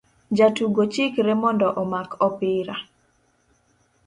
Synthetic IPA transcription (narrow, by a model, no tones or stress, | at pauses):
d͡ʒatuɡot͡ʃɪkɾɛmɔndɔʔɔmakʰɔpɪɾa